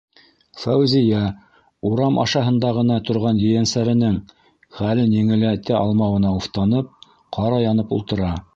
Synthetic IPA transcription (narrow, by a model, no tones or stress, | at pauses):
fæwzʲijæ | uɾɑmʔɑ̰ʃɑɦɤ̆nd̪ɑʁɤ̆nɑt̪ŏɾʁɑnjɘ̆jænsæɾɘ̆nɘŋ | χælɘnjɘ̆ŋɘ̆læt̪ɘʔɑlˠmɑwɤ̆nɑuft̪ɑnɤp̚ | qʰɑɾɑjɑnɤpṵlˠt̪ɤ̆ɾɑ